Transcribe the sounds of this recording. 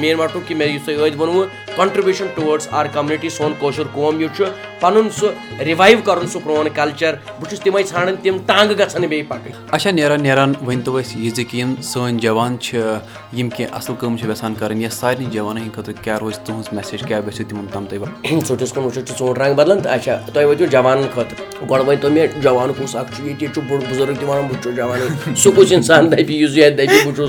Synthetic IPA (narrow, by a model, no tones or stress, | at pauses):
meːnmaʈʰũkimeɾjisɐjəːd̪bɐnuwu | kɐɳʈɾibjuʃɐnʈuʋɐɖsaːɾkɐmjuniʈisoːnkoːʃʰuɾkoːmjut͡ʃʰu | pʰɐnunsuɾiʋajʋkɐɾunsupɾoːnkɐlt͡ʃɐɾ | but͡ʃʰust̪imɐjt͡sʰaːɽɨnʲt̪imt̪ãːŋɡɡɐt͡sʰɐnibejpaʈɐ | ɐt͡ʃʰaneɾaːnːeɾanʋɐnt̪uʋɐsʲjizikjinsəːnʲd͡ʒɐʋaːnt͡ʃʰi | jimkʲĩʔɐ̰slkəmt͡ʃʰiʋʲɛsaːnkɐɾɐnjɐsaːɾʲnid͡ʒɐʋaːnɐɦinkʰɐt̪ukʲaːɾoːzt̪uɦũsmɛseːd͡ʒkʲaːʋɐsʲut̪imɐmt̪ɐːmt̪ɐjʋat͡soʈʰʲiskunut͡ʃʰut͡ʃʰit͡sõːʈɾãːŋɡbɐd̪lɐnt̪ɐt͡ʃʰat̪uajʋɐt̪ʲũd͡ʒɐʋaːnɐnkʰɐt̪ | ɡɔɽʋɐnʲt̪omʲed͡ʒɐʋaːnukusakt͡ʃʰujet̪ʲet͡ʃubuɽbuzɐɾəkt̪iʋaːnɐnbʱut͡ʃʰod͡ʒɐʋaːnɐnsukut͡ʃinsaːnd̪ɐjpijuzujat̪̚d̪ɐjpʲibʱut͡ʃʰus